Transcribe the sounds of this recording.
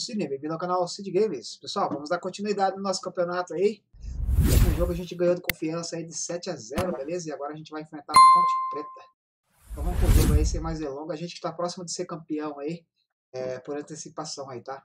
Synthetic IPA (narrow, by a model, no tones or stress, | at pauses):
sinẽbẽvĩd̪awkãnawasid͡ʒɪɡẽj̃mɪspesuawvɐ̃mʊzd̪aɾkõnt͡ʃinuid̪ad͡ʒɪnʊnɔsʊ̥kɐ̃pionat̪ʊai | ẽznʊ̃ʒoɡʊaʒẽnt͡ʃɪɡɐ̃j̃od̪ɪkõfiɐ̃sɐid̪ɪsɛt͡ʃɪazɛɾʊbelezɐɪaɡɔɾɐʒẽt͡ʃ̪ɪvajẽfɾẽnt̪aɾkõt͡ʃi̥pɾet̪ɐ̃ | ɐ̃ũkõt̪eɡʊaisemajzelõɡɐaʒẽt͡ʃɪ̥kɪ̥t̪apɾɔsimʊd̪ɪseɾkɐ̃piɐ̃w̃ai | ɛpoɾɐ̃nt̪esipasɐ̃w̃ait̪a